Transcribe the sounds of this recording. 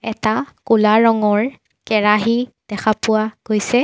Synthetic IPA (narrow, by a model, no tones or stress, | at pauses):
ɛ̰takulaɹɔŋɔɹ | kɛɹaɦi | d̥ɛkʰapʊwaɡ̥ojsɛ